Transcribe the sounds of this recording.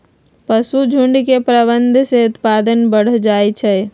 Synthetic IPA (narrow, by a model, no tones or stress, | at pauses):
pəsud͡ʒʱuɳɖkepɾəbənd̪ʱseut̪pad̪ənbəɽ̤d͡ʒaet͡ʃʰɛ